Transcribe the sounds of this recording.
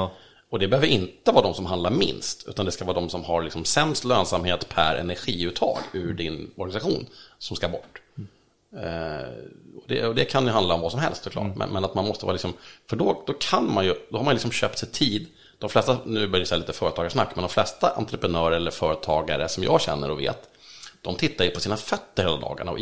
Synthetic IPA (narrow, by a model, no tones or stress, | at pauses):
ɔd̪ɛbɛhøːvəɾɪnt̪əvɑːd̪ɔmsɔmɦand̪laɾmɪ̰nst̪ʉ̟ːt̪and̪ɛskavɑːd̪ɔmsɔmhaɾlɪksɔmsɛmst̪løːnsamheːt̪pʰæ̰ɾɛ̰næɾɧiːʉt̪ʰːɑ̰ːɡʉɖɪnɔɾɡanɪsaɧuːnsɔmskabɔʈː | ɔd̪ɛ̰ɔd̪ɛkʰanjɵɦand̪aɔmvɑːsɔmɦɛlst̪sɔklɑ̰ːʈmɛ̰nmɛnat̪manmɔst̪əvɑ̰ːlɪksɔmfœɖɔd̪ɔkʰanmanjɵd̪̥ɔhaɾmanjɵlɪksɔmɕøːp̚t̪sɛjt̪ʰiːd̪ | d̪̥ɔmflɛst̪anʉ̟ːbœɾjasɛjliːt̪əfœːɾət̪ʰɑːɡaʂnakːmɛnd̪ɔmflɛst̪aʔa̰nt̪ɾəpɾɛnœːɾəɛlːəɾfœːɾət̪ʰɑːɡaɾəsɔmjɑ̰ːɡɕɛ̰nːə̰ɾɔvḛːt̪ | d̪ɔmt̪ʰɪt̪ːaɾjɵpʰɔsiːnafœt̪ːəɾheːlad̪ɑ̰ːɡa̰ɳaɔ̰